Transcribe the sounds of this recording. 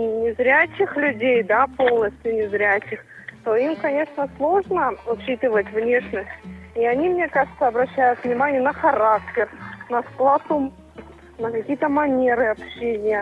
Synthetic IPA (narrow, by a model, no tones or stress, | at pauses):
nʲɪzɾʲæt͡ɕɪxlʲʉdʲejd̪apolˠnəsʲtʲjʊnʲɪzɾʲæt͡ɕɪxt̪o̞imkɐnʲe̞ʂnəslˠo̞ʐnəʊt͡ɕːit̪ɨvətʲvnʲeʂnəsʲtʲiɐnʲimnʲe̞kaʐɨt̪səɐbɾɐɕːæjʊt̪vnʲɪmanʲɪjənəxɐɾak̚tʲɪrnəsklˠasʊm | nəkɐkʲijət̪əmɐnʲe̞ɾɨɐpɕːenʲɪjə